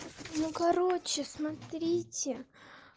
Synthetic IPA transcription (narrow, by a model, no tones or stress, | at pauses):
nukɐɾot͡ɕɪsmɐt̪ɾʲitʲɪ